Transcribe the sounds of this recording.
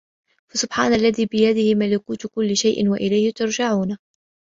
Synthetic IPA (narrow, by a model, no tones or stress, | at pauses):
fasʊbħaːnalːaðiːbɪjad̪ɪhɪmalɪkuːt̪kʊlːɪʃajʔɪ̰nwaʔɪlajhɪt̪ʊɾd͡ʒaʕuːna